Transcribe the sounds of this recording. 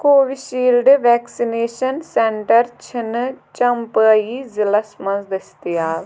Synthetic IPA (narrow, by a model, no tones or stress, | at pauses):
koːʋiʃiːlɖʋɛːksineːʃənsɛɳʈəɾt͡ʃʰɪnt͡ʃəmpəiːzɪləsmə̃nzd̪ɪst̪ɪaːʋ